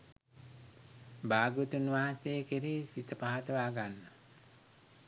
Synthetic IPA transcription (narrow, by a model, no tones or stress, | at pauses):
baːɡut̪unʋaːɦasejkiɾiːsit̪əpaɦat̪əʋaːɡanːə